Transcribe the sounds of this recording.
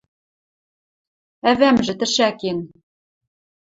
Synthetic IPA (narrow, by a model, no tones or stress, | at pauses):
ævæmʒɘ̆t̪ɘ̆ʃæken